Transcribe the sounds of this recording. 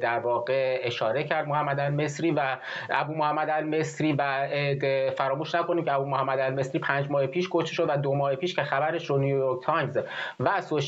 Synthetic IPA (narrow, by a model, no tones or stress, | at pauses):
d̪æɾvɒːɣeeʃɒːɾe̞cʰæɾd̪̚mohæmːæd̪ælme̞sɾiːvæ | ʔæbuːmohæmːæd̪ælme̞sɾiːvæd̪fæɾɒːmuːʃnækʰo̞niːmcʰeæbuːmohæmːæd̪ælme̞sɾiːpʰænd͡ʒmɒːhepʰiːʃkʰoʃt̪eʃod̪væd̪omɒːhepʰiːʃcʰexæbæɾe̞ʃɾonijjoɾk̚t̪ʰɒjmzvæsoʃ